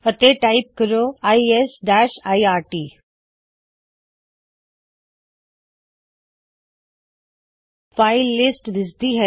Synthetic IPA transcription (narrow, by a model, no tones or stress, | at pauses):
ət̪eʈaip̚kəɾoaːiesɖaːʃaːiaːɾʈiː | faɪlːɪsʈd̪ɪsd̪iɦɛ